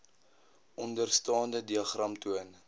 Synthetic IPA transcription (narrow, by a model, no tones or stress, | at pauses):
ʔɔndərstɑːndədiɐχrɐmtuən